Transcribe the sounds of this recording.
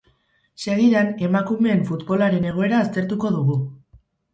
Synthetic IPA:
se̞ɣiðane̞makume̞ːɱfut̪bo̞laɾe̞ne̞ɣ̞o̞e̞ɾaːst̪e̞ɾt̪uko̞ðuɣ̞u

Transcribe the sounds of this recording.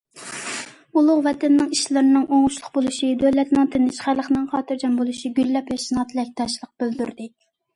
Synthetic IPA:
ulˠʊʁvɛt̪ʰɛnːɪŋiʃlɪɾnɨŋʔoŋʊʃlˠʊqbolˠuʃid̪ølɛt̪nɪŋt̪ʰɪnɪʃχælˠəχnɪŋχʰɑːt̪ɨɾd͡ʒɑnbolˠuʃiɡʲylːɛpjɑʃinɑt̪ʰlɛk̚ʲt̪ʰɑʃlˠəq̚b̥øld̪yɾd̪ɪ

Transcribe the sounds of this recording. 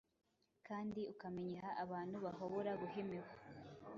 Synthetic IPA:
kaːndiukameɲeɦaʔaβaːnhuβaɦoβoɾaɡuhemiwa

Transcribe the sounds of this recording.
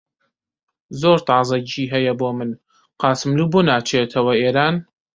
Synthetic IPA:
zoːɾt̪ɑːzˤɐiːɦɛjɐboːmɨn | qɑːsɨmluːbonaːt͡ʃʰet̪ʰɐwɐeːɾaːn

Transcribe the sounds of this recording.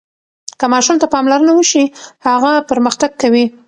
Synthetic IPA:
kəmɑʃumt̪apɑmlaɾənawəʃihaɣapəɾməxt̪aɡ̚kawi

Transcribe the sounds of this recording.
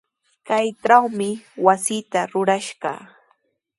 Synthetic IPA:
kajʈ͡ʂawmɪwasɪːt̪aɾʊɾaʃɢɑ̰

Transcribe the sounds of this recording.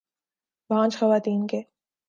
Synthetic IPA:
bãːt͡ʃxɐʋaːt̪iːnke

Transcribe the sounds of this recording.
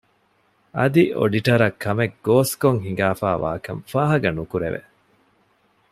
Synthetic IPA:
ɐd̪io̰ɖiʈɐɾɐkːɐmek̚ɡoːskoŋɦiŋɡaːfaːʋa̰ːkɐ̰mfaːɦɐɡɐnukuɾeʋḛ

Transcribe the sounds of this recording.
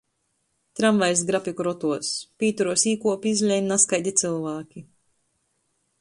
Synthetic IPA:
t̪ɾamvajs̬ɡɾafikuɾɔt̪uɔspʲiːt̪uɾuɔsiːkuɔpizʲlʲɛjnaskajd̪ʲit̪silˠvaːkʲi

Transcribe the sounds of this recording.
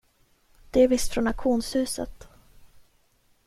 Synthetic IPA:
d̪̥ɛæɾvɪst̪fɾɔnakɧuːnshʉ̟ːsə̰t̪

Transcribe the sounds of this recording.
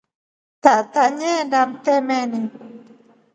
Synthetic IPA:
t̪aʔt̪aɲẽndamt̪emẽnĩ

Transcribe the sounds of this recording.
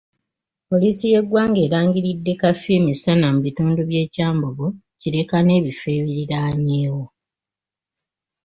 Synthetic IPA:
po̞liːsije̞ɡwaːŋɡe̞ːɾaːŋɡiɾidːe̞kafeːmisanamuβituːnduβje̞ːcaːmboβo | ciɾe̞kane̞ːβife̞ːβiɾiɾaɲe̞ːwo̞

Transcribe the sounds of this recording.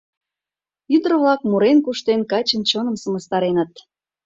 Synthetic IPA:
yd̪ɾəvlɑkmuɾenkuʃt̪enkɑt͡ɕənt͡ɕonə̆msəməst̪ɑɾenət̪̚

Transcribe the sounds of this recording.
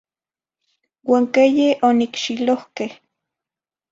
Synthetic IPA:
waːŋkejeʔonikʃilohkeh

